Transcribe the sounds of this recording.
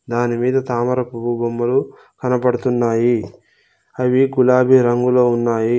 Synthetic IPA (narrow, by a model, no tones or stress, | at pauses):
d̪aːnimiːd̪ɐt̪aːmɐɾɐpububɐmːɐlu | kɐnɐpɐɽut̪unːaːji | ɐʋiɡulaːbʱiɾɐŋɡulo̞ːunːaːji